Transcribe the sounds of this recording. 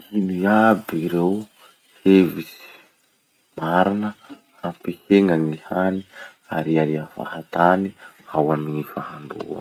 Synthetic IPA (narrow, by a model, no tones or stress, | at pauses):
iniabiɾew | hevisi̥ | maɾinə | hampiheŋaŋihani | aɾiaɾiafa̰hat̪aniawamiŋifahaɳɖ͡ʐṵṵa̰n